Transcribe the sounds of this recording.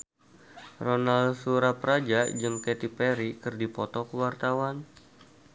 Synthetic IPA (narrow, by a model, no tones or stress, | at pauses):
ronalsuɾapɾad͡ʒad͡ʒɨŋkɛt̪ipɛɾikɨrdipɔt̪ɔkəwart̪awan